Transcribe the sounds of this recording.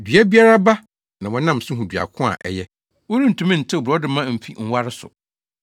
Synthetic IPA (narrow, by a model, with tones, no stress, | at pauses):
dɥa˦bi˦a˦ɾa˦ba˦ | nã˨wɔ̃˨nã˦˨m˨sʊ̃˦ɦũ˨dɥa̰˨kʰʊ̃˦a̰˨ʔɛ̰˨jɛ˦ | wo˦nĩ˦n̩˨tʰũ˨mĩ˦n̩˨tʰɪ˦ɔ˨bɾɔ˦dɪ˦mã˦m̩˨fi˦ŋ̩˦wa˦ɾɪ˦sʊ̰˨